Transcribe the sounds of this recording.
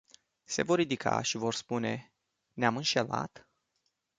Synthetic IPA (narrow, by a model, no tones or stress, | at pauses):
se̞vo̞rːid̪ikʰa̰ʃivo̞rspune̞ | neamɨnʃe̞la̰t̪